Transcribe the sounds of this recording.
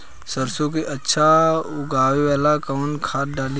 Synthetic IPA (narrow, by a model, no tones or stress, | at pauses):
səɾsõkeʔətːʃʰaʊɡaːwewaːlakəːnkʰaːt̪̚ɖaːli